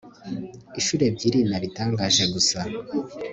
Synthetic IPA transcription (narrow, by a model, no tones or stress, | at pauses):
iʃuːɾe̞bɟiːɾinaɾitaːŋɡaːʒe̞ɡusa